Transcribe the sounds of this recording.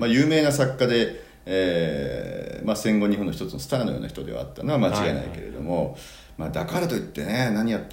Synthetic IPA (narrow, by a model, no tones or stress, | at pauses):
majɯ̟ːme̞ːnasakːad̪e̞ | eː | masẽ̞ŋɡo̞ɲ̟iɦõnːoçit̪o̞t͡sɨnosɨ̥t̪aːnojoːnaçi̥t̪od̪e̞βa̰a̰t̪ːano̞βamat͡ɕiɡaena̰ḭke̞ɾe̞̰d̪o̞̰mo̞ | maːd̪akaɾat̪o̞it̪ːe̞nenaɲ̟ijat̪ː